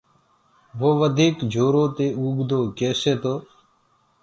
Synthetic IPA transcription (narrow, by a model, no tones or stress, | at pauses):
ʋoːʋəd̪ʱiːkd͡ʒʱoːɾõːt̪eːuːɡd̪oːkeːseːt̪oː